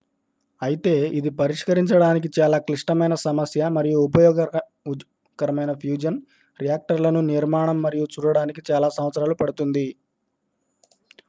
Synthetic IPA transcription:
ɐjit̪e̞ːid̪ipɐɾiʂkɐɾiɲt͡ʃɐɽaːnik̬it͡ʃaːlaːkliʂʈɐmɐjnɐsɐmɐsjɐmɐɾijuːp̬ɐjɔːɡɐ | kɐɾɐmɐjnɐpʰjuːd͡ʒɐn | ɾijaːk̚ʈɐɾlɐnuniɾmaːɳɐmːɐɾijut͡ʃuːɾɐɽaːnik̬it͡ʃaːlaːsɐmʋɐt̪sɐɾaːlupɐɽut̪und̪i

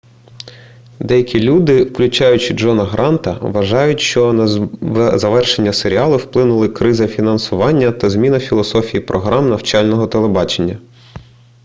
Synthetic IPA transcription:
d̪ɛjɐkʲilʲud̪ɪwklʲʊt͡ʃɑjʊt͡ʃɪd͡ʒɔnɐɦɾʔɑnt̪ɐ̰ʋɐʒɑjʊtʲʃt͡ʃɔ | zɐʋɛrʃenʲːɐseɾʲiɑlˠʊwplˠɪnʊlˠɪkɾɪzɐfʲinɐnsʊʋɑnʲːɐt̪ɐzmʲinɐfʲilˠɔsɔfʲijipɾʔɔɦɾɑmnɐwt͡ʃɑlʲnɔɦɔt̪elˠebɑt͡ʃenʲːɐ

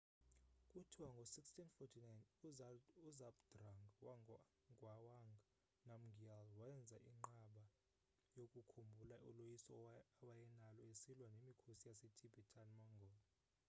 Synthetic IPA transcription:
kʼutʰiwaŋɡʱosikstʰinfɔtʰinajnuzuzapd̥raŋɡwa | ŋɡwawaŋɡʱ | nam̩ɡʱialwaɛnd͡zʱaʔiŋ͡ǃaɓa | jokʼukʰumbʱulaṵlojisɔawajɛnalɔesilwanemikʰusijasetʰibʱɛtʰanmɔŋɡʱɔːlɔ

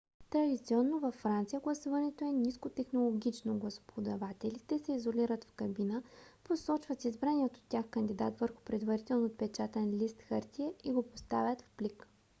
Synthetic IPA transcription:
t̪ɾɐd̪it̪siɔnːovɐfːɾant̪sijəɡlˠɐsuvɐnɛt̪oɛnʲiskot̪ɛxnolˠoɡʲit͡ʃnoɡlˠɐso̥pʰod̪ɐvat̪ɛlit̪ɛsɛizolʲiɾət̪fkɐbinəposɔt͡ʃvət̪izbɾaniɛt̪ot̪ʲːjaxkɐnd̪id̪a̰t̪vəɾxʊ̥pɾɛd̪vɐɾit̪ɛlˠnot̪̚pɛt͡ʃat̪ɛnlʲist̪xəɾt̪ʲiɛʔiɡopost̪avʲjət̪fplik

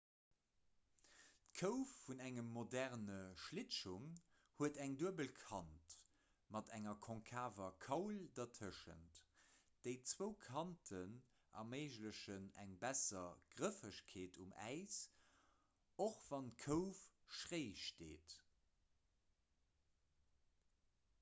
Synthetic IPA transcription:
tkʰəʊfːunæŋəmːodæʁnəʃlɪʃuŋ | huətæŋduəbəlkʰɑnt | mɑtæŋɐkʰɔ̃ŋkʰaːvɐkʰɑʊldɐtʰəʃə̰nt | d̥əɪt͡swəʊkʰɑntʰən | ʔɑ̰meɪʒləɕənæ̰ŋbæsɐɡ̥ʁəfəɕkʰeːtʰumæ̰ɪs | oχv̥ɑnt̚kʰəʊfʃʁeɪʃteːt

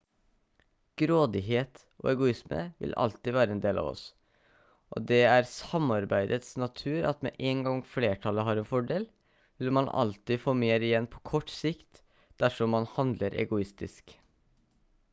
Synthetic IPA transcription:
ɡ̥ɾoːd̪ɪɦeːt̪ | ʔo̰ːɛɡʊɪsmə̰ʋɪ̰lɑ̰lt̪ɪʋæːɾəɛːnd̪eːlʔɑ̰ːʋɔ̰s | ʔo̰ːd̪ɛæɾsɑmɑɾbæɪd̪ət̪snɑt̪ʰʉːɾɑt̪mɛ̰ʔeːŋɡɑŋfleːʈʰɑlːəɦɑːɾɛnfɔɖeːl | ʋɪlmɑnɑ̰lt̪ɪfoːmeːɾɪjɛnːpʰɔ̥kʰɔʈːsɪkt̪ | d̪̥æʂɔmːɑnhɑnd̪ləɾʔɛ̰ɡʊɪst̪ɪsk

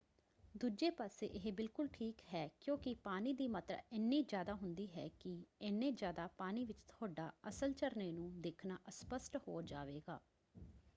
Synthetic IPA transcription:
d̪uːd͡ʒeːpaːsḛːʔɪɦbɪlkʊlʈʰiːkɦɛːkjõːkɪpaːniːd̪iːmət̪ə̰ɪnːiːd͡ʒjaːd̪aːɦʊnd̪iːɦɛ̰ːkɪɛnːẽːd͡ʒjaːd̪aːpaːniːʋɪt͡ʃt̪ʰʊaːɖaːəsəlt͡ʃəɾneːnũːd̪eːkʰnaːʔəspəsʈho̰ːd͡ʒaːʋeːɡa̰ː

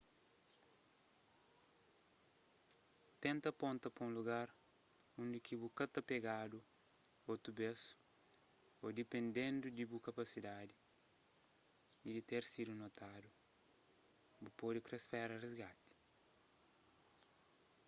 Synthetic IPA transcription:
t̪ẽnt̪ɐpõnt̪ɐpũnluɡaɾ | ũnd̪ikibukɐt̪ɐpeɡad̪u | ot̪ubes | od̪ipẽnd̪ẽnd̪ud̪ibukɐpɐsid̪ad̪i | id̪it̪eɾsid̪unot̪ad̪u | bupod̪ikɾespɛɾɐrezɡat̪i̥

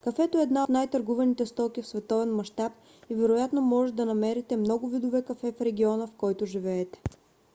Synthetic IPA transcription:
kɐfɛt̪oɛːd̪nat̪najt̪ɐɾɡuvɛnit̪ɛst̪ɔkʲifsvɛt̪ɔvɛnmɐʃt̪ap̚ | ivɛɾojat̪nomɔʒɛt̪d̪ɐnɐmɛɾit̪ɛmnɔɡʊvid̪ʊvɛkɐfɛfɾɛɡʲiɔnəfkɔjt̪ʊʒivɛːt̪ɛ̥

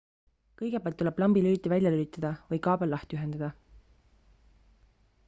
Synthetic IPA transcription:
kɤjɡ̥epeːlt̪ːuleb̥lɑmbilyːt̪ːivælʲjɑlylit̪ːˑɑd̪̥ɑvɤjkɑːbɑlːɑht̪yɦe̞nd̪̥ɑd̪̥ɑ

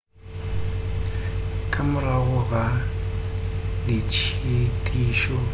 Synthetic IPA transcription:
kʼamʊɾaɣʊɣa | lit͡ʃʰitʼiːʃɔ

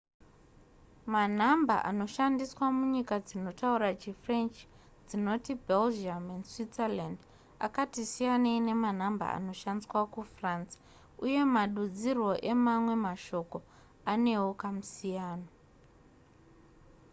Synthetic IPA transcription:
man̤amba̰ʔa̰no̞ʃandiswamuɲikad͡zino̞tauɾat͡ʃifre̞nt͡ʃ | d͡zino̞tibʱeld͡ʒamendswiserland | a̰katisijaneine̞man̤amba̰a̰no̞ʃandiswakufrans | uje̞maɗud͡zirwo̞ʔe̞mamwe̞maʃo̞ko̞ | ane̞wokamusijaːno

